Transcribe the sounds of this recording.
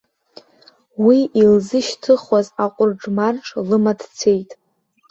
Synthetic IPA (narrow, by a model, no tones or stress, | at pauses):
wiʔilzɨʃtʰɨχwazaqʷʼʊrʈ͡ʂʼmarʈ͡ʂʰlɨmadt͡sʰejtʼ